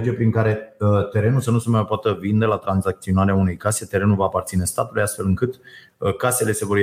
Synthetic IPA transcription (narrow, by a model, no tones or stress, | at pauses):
d͡ʒiepɾiŋkaɾe̞t̪e̞ɾe̞nusənusmajpoat̪əvind̪e̞lat̪ɾanzak̚t̪sio̞naɾeaune̞jkase̞t̪e̞ɾe̞nulvaːpart̪sine̞st̪at̪ulejast̪fe̞lɨŋkɨt̪ | kase̞le̞se̞vo̞r